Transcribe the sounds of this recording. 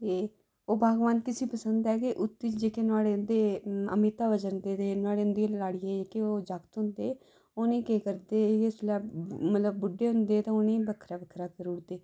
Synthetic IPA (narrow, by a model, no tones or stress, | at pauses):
t̪eː | oːbʱaːɡʋaːnt̪ɪsĩːpəsənd̪ɛːkeʔʊt̪ːiːt͡ʃd͡ʒeːkeːnaːɽeːʊnd̪eːə̰mit̪aːʋəd͡ʒənd̪eːt̪eːnaːɽeːʊnd̪iːlaːɽiːɛːd͡ʒeːkeːoːd͡ʒakt̪ɦʊnd̪eː | oːnẽːkeːkəɾd̪eːeslaːmət̪ləb̚ːʊɖːeːɦʊnd̪eːt̪ãːoːnẽːbəkʰɾaːbəkʰɾaːkəɾʊɽd̪eː